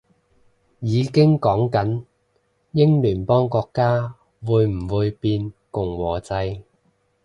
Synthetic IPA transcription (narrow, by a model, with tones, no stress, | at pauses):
jiː˨˧kɪ˥ŋkɔː˨˥ŋkɐ˨˥n | jɪ˥ŋlyː˨˩npɔː˥ŋkɔː˧kːaː˥ | wuː˨˧jm̩˨˩wuː˨˧jpiː˧nkʊ˨˩ŋwɔː˨˩t͡sɐ˧j